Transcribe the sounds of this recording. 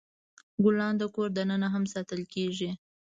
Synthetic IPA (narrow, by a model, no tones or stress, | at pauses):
ɡʊlɑnd̪əkoɾd̪anənaɦamsɑt̪əlkeʒi